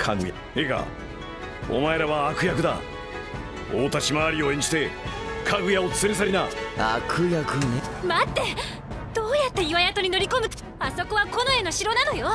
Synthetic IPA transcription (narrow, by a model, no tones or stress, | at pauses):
kʰaɡɯja | eɡa̰ | o̰mae̞ɾaβaːkɯ̟jakɯ̟d̪a̰ | oːt̪aɕimaːɾʲio̞ẽ̞ɲd͡ʑi̥t̪e̞kʰaɡɯ̟jaot͡sɨ̥ɨɾʲesaɾʲinaakʰɯ̟jakɯ̟nemat̪ːe̞ | d̪̥oːjat̪ːeiβajat̪o̞ɲ̟ino̞ɾʲiko̞mbɯ | aso̞ko̞βako̞no̞eno̞ɕiɾo̞nano̞jo̞